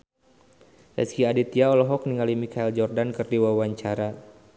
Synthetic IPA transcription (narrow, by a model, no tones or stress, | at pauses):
lɛ̰skiadit̪iaɔlɔɦɔk̚niŋalimikaild͡ʒɔrdankɨrdiwawaɲt͡ʃaɾa